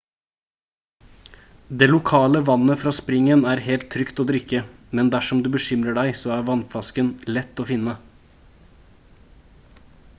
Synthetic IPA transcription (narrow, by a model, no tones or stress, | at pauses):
d̪eːlʊkʰɑːləʋɑnəfɾɑːspɾɪŋənæːɾhelt̪ʰːɾʏkt̪oːd̪ɾʏkːəmɛnd̪æʂɔmd̪ʉːbəʃʏmɾəɖæɪsoːæːɾʋɑnflɑskənlɛt̪ːoːfɪnːə